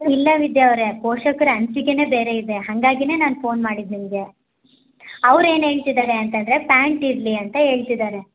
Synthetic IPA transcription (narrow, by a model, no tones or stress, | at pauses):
ilːɐʋid̪jɐːʋɾe̞poːʂɐkɐɾɐnt͡ʃiɡene̞ːbe̞ːɾe̞id̪e̞ɦɐŋɡaːɡine̞ːnaːnpʰo̞ːnmaːɽid̪nimɡe̞ | ɐʋɾe̞ːnɦe̞ːɭt̪id̪aːɾeɐnt̪ɐnd̪ɾe̞paːɳʈiɾliɐnt̪ɐɦe̞ːɭt̪id̪aːɾe̞